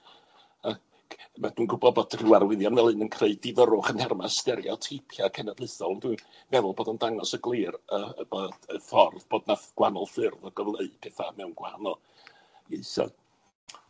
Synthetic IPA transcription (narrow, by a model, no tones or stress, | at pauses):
a | mad̥uːnɡʊbɔbɔdrɪwarwɪðjanvɛlˠɨnənkʰreɨdɪðəɾʊχənhɛrmastɛɾjɔ̰tʰipʰjakʰɛnadlˠɨθɔlˠəndwɨn | vɛvʊlˠboːdəndaŋɔsəɡlˠiːrəəbɔdəfɔrðboːdnaɡ̥wanɔlˠfɪrðɔɡəvlˠeɨpʰɛːθamɛwnɡwahanɔlˠ | eɨsɔ̰